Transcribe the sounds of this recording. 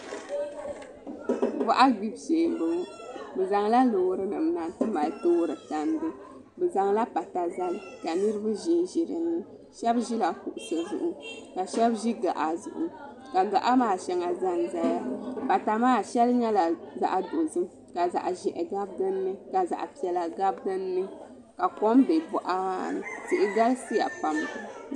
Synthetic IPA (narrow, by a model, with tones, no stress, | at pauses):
wa˦ʔa˦ɡ͡bi˦bseː˨˦bɨ˨ŋ˦bɨ˨za˨ŋla˦lo˨˦ɾɨ˦nɨ˨mna˨n˦tɨ˦ma˨lto˦ɾɨ˨ta˨ndɨ˦ | bɛ˨za˨ŋla˦pa˨ta˨za˦lɨ˦ka˨nɨ˦ɾɨ˦bɨ˦ʒi˦n˦ʒi˨ɾɨ˨nːɨ˦ | ʃɛ˦bʒi˦la˨pu˨ʔʊ˨sɨ˨zʊ̰˨ʔʊ˦ka˨ʃɛ˦bʒi˦ɡa˨ʔa˨zʊ̰˨ʔʊ̰˨ | ka˨ɡa˨ʔa˦maː˦ʃɛ˨ŋa˨za˦nza˦ja˦pa˨ta˨maː˦˨ʃɛ˦lɲɛ˦la˨za̰˨ʔa˨do˨zɨ˦ | ka˨za̰˨ʔʒɛ˨ʔɛ˨ɡa˦b̚ɡɨ˦nːɨ˦ka˨za̰˨ʔpi˨ɛ˨la˨ɡa˦bɡɨ˦nːɨ˦ | ka˨kɔ˦mbɛ˨bɔ˦ʔa˦ma̰ː˦˨nɨ̰˨sɨ˦ʔɪ˨ɡa˦lsi˦ja̰˨pa˨mɡɨ˦